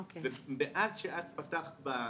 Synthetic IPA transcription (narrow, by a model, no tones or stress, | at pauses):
okevebeʔazʃeʔat̪pat̪aχt̪ba